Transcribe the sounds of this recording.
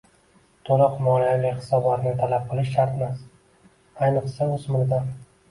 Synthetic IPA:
t̪ʰolˠɨqmɒlijalɪhɪ̥sɒbɒt̪nɪt̪ʰalap̚qʰɨlˠɪʃːaɾt̪mas | ajnɨqsaʊzmʊɾd̪a

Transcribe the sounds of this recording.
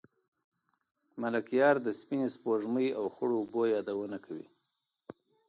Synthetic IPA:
malakjɑɾd̪əspinespoʐməjawxəɽoːbojɑd̪awənakawḭ

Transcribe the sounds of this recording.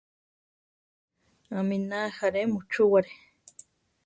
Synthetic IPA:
ãminahaɾemut͡ʃuwaɾe

